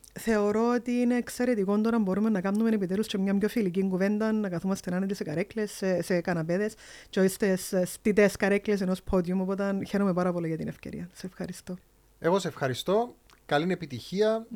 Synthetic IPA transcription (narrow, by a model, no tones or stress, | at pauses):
θe̞o̞ɾo̞ot̪iineːkse̞ɾe̞t̪iko̞nd̪oɾɐmbo̞ɾume̞nːɐkɐmnume̞nepit̪elust͡ʃemɲɐmɲo̞filiciŋɡuve̞nd̪ɐnːɐkɐθumɐst̪enɐnet̪ise̞kɐɾeklesesekɐnɐpe̞ðe̞st͡ʃeoçist̪esst̪it̪eskɐɾekles̬e̞no̞spʰo̞d̪jumopo̞t̪̬ɐnçe̞ɾomepɐɾɐpo̞liʝɐt̪inefceɾḭɐseefxɐɾist̪o̞ | e̞ɣo̞seefxɐɾist̪o̞ | kɐlinepit̪içiɐ